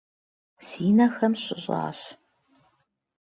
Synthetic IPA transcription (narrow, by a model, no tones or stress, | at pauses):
siːnɐxɐmɕɪʑʼɑ̰ːɕ